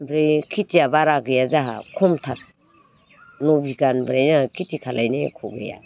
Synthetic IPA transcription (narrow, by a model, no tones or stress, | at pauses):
bɾejkʰitiabaɾaɡɯjazaɦa̰kʰɔmtʰat̚ | nɔbiɡanbɾajnaakʰitikʰalajnekʰɔɡɯ̰ja̰